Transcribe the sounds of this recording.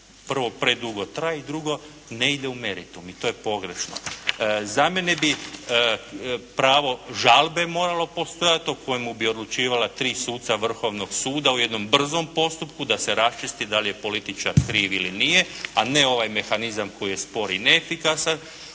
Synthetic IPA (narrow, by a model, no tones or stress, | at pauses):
pr̩ʋo̞pɾe̞d̪uɡo̞t̪ɾajeid̪ɾuɡo̞ | ne̞id̪e̞ume̞ɾit̪umit̪o̞je̞po̞ɡɾe̞̰ʃno̰zame̞ne̞bi | pɾaːʋo̞ʒalˠbe̞mo̞ːɾalo̞po̞st̪o̞jat̪okʰo̞jemubio̞d̪lˠut͡ʃiːʋalat̪ɾiːsuːt̪saʋr̩xo̞ʋno̞ɡsuːd̪auje̞d̪no̞mbr̩zo̞mpo̞st̪upkud̪ase̞ɾast͡ʃist̪id̪alije̞po̞lit̪it͡ʃaɾkɾiːʋilinije̞aneo̞ʋajme̞xanizamko̞jije̞spo̞ɾineːfikasan